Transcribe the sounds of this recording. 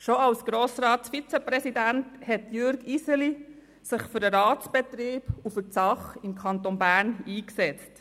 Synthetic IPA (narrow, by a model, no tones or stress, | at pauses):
ʃoɑlsɡ̥ɾoːsɾɑːtsfit͡sɛpɾɛsidænthɛtjʏɾɡisəli | sɪχfyɾəɾɑːtsb̥ɛt̪ɾiːb̥ufət͡sɑχɪmkʰɑnt̪onbæːniːksɛt͡st